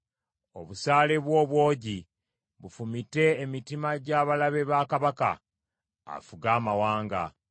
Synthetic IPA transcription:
o̞̰βusaːle̞βwo̞ːβwo̞ːɟi | βufumite̞ːmitimaɟaːβalaβe̞βakaβaka̰ | a̰fuɡaːmawaːŋɡa̰

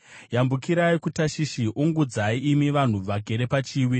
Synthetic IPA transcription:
jambukiɾaikutaʃiʃiʔuŋɡud͡zaiʔːmiʋan̤uʋaɡʱeɾe̞pat͡ʃiːwi

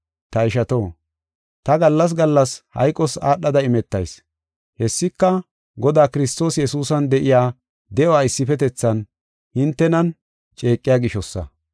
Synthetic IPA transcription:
t̪ɐɪʃɐt̪o̞ː | t̪ɐɡɐlːɐs̬ɡɐlːɐshɐ̰jkʼːɔsaːɗːɐd̪ɐɪmɛt̪ːɐ̰js | hɛsːɪkːɐ | ɡɔd̪aːkɪɾɪst̪o̞ːsjɛsuːsɐnd̪ɛʔɪjaː | d̪ɛɔwaːɪsːɪfɛt̪ɛt͡sːɐn | hɪnt̪ːɛnɐn | t͡ʃʼe̞ːkʼːɪjaːɡɪʃɔsːɐ̰

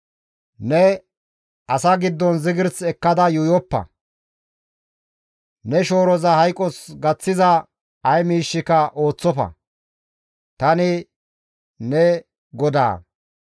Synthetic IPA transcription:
nɛ | ʔɐsɐɡɪd̪ːɔnzɪɡɪɾt͡sɛkːɐd̪ɐjʊjɔpːɐ̰ | nɛʃo̞ːɾɔzɐhɐjkʼɔsɡɐt͡sːɪzɐ | ɐjmiːʃːɪkɐʔo̞ːt͡sːɔfɐ̰ | t̪ɐnɪ | nɛ | ɡɔd̪a̰ː

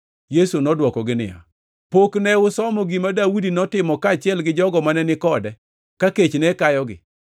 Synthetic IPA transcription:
jesunɔdwɔkɔɡɪnɪ̰ja̰ | poknɛʊsɔmɔɡimadawudinɔtɪmɔkaːt͡ʃɪɛlɡɪd͡ʒɔɡɔmanɛnɪkɔdɛ | kaket͡ʃnɛkajɔɡɪ̰

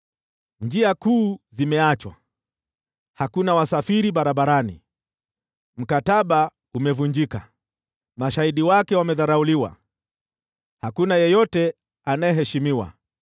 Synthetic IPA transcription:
ɲd͡ʒiakuːzimɛat͡ʃwa̰ | hakunawasafiɾiɓaɾaɓaɾanḭ | m̩kataɓa | umɛvuɲd͡ʒika | maʃaiɗiwakɛwamɛðaɾauliwa̰ | hakunajɛjɔtɛ | anajɛɦɛʃimiwa̰

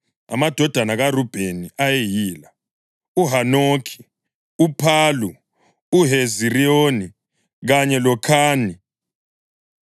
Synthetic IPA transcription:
a̰mad̥ʱɔd̥ʱanaɣarub̥ʱeniʔajejiːla | uɦanoːkʰi̥ | upʰaːlu | uɦezirioːni | ɣaɲɛlɔkʰaːni

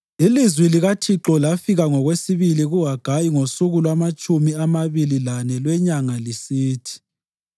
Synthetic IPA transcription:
ilizwiliɣatʰiǁɔlafiɣaŋɔɣwesiβiliɣuɦaɡ̥ʱajiŋosuɣulwamat͡ʃʼumiamaβililanɛlwɛɲaŋalisiːtʰi̥

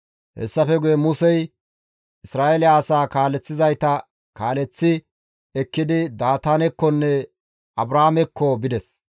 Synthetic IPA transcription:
hɛ̰sːɐfɛɡʊjɛmʊsɛj | ʔɪsɾaːʔɛlɪaːsaːkaːlɛt͡sːɪzɐjt̪ɐ | kaːlɛt͡sːɪ | ɛkːɪd̪ɪd̪aːt̪anɛkːɔnːɛ | ʔɐbɾaːmɛkːɔbɪd̪ɛs

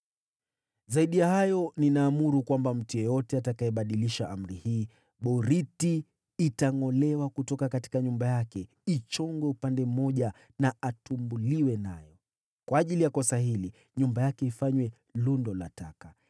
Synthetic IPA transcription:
zaiɗijahajɔninaːmuɾukwambam̩tujɔjɔtɛatakaɛɓaɗiliʃaʔam̩ɾihiː | ɓɔɾitiː | taŋɔlɛwakutɔkakati̥kaɲumbajakɛ | it͡ʃɔŋɡwɛupandɛm̩mɔʄa | naatumbuliwɛnajɔ | kwaːʄilijakɔsaɦili | ɲumbajakɛifaɲwɛ | lundɔla̰taka

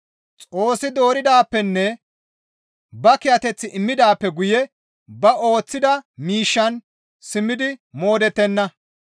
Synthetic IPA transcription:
t͡sʼo̞ːsːɪd̪o̞ːɾɪd̪aːpːɛnːɛ | bɐkɪjɐt̪ɛt͡sːɪʔɪmːɪd̪aːpːɛɡʊjɛ | bɐo̞ːt͡sːɪd̪ɐmiːʃːɐn | sɪmːɪd̪ɪmo̞ːd̪ɛt̪ːɛnːɐ

